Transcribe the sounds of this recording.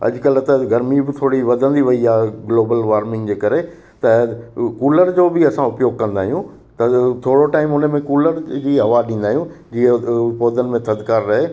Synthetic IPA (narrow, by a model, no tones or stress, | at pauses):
ɐ̰d͡ʑʊkəlt̪ɐɡɐɾmibɪt̪ʰoːɽiʋɐd̪ʱə̃nd̪iʋɐiaːɡloːbəlʋaːɾmɪ̃ŋɡd͡ʑeːkɐɾe | t̪ɐkuːləɾd͡ʑoːbɪɐsãʊpjoːɡ̚kɐ̃nd̪aːɦijũ | t̪ɐt̪ʰoːɽoʈaːɪmʊnəmẽkuːləɾd͡ʑiːɦɐʋaɗĩːnd̪aːɦijũd͡ʑiːə̃ʊpoːd̪ənɪ̆mẽt̪ɐd̪kaːɾːɐɦeː